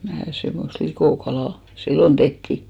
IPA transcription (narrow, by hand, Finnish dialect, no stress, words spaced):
mæː semːost likoˑkɑlɑˑ silːon tehtiˑ